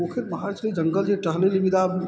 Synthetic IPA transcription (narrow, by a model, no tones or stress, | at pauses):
okʰɪɾmɐɦaːɾt͡ʃɾid͡ʒəŋɡəld͡ʒeʈəɦlelibid̪a